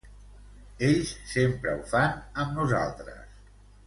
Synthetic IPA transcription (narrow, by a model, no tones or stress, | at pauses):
eʎsːempɾə̰ufanəmnuza̰lˠt̪ɾə̰s